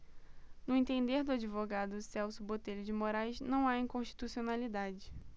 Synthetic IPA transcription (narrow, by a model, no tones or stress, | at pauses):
nʊẽt̪ẽnd̪eɾd̪ʊad͡ʒivoɡad̪ʊsɛwsʊbot̪eʎʊd͡ʒɪmoɾajznɐ̃w̃aĩkõʃt͡ʃi̥t̪usionalid̪ad͡ʒɪ